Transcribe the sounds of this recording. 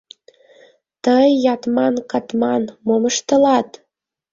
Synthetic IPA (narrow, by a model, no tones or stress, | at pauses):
t̪əjːɑt̪mɑnkɑt̪mɑnmoməʃt̪əlɑt̪